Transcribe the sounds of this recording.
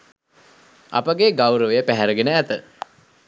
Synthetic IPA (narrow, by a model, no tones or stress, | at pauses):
a̰pəɡeɡawɾəʋəjəpæɦæɾəɡenəæt̪ə